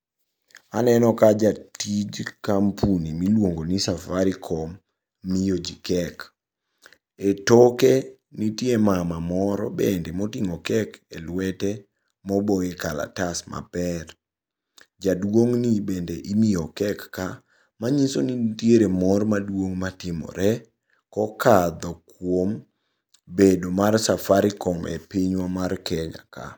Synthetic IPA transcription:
anɛnɔkad͡ʒatid͡ʒkampʰunimilwoŋɡonisafaɾikʰɔmː | ijod͡ʒikɛk | etɔke | nitjemamamɔɾɔ̰bendemɔtiŋɔkɛkḛlwɛtɛ | mɔboekala̰tasma̰pɛr | d͡ʒadwoŋnibendeʔimiɔkɛkːa | maɲisonitjeɾemɔrmadwoŋmatɪmɔ̰ɾɛ | kɔkad̪ɔkwom | bedomarsafaɾɪkɔmḛpiɲwamarkɛɲa̰ka̰

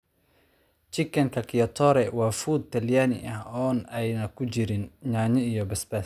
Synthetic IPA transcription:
t͡ʃɪkʰːɐŋkʰɐkʰɪjɐt̪ʰɔːɾɛwɑːfuːd̪̚t̪ʰɐljaːnɪ̰ʔɐhɔːnɛjnɐkʰʊt͡ʃɪɾɪnɲaːɲɪijɔbɐsbɐs

